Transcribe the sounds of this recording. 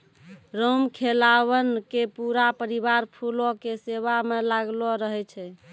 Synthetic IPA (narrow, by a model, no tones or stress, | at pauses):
ɾomkʰelaβənkepuɾapəɾibaɾpʰulokeseβamelaɡlɔɾəɦɛt͡ʃʰɛ